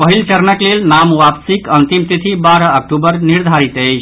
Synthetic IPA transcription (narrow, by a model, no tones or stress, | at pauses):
pəɦilt͡ʃəɾnəklelnamʋapsikənt̪imt̪it̪ʰibaɾəːk̚ʈubəɾniɾd̪ʱaɾit̪əjt͡ʃʰ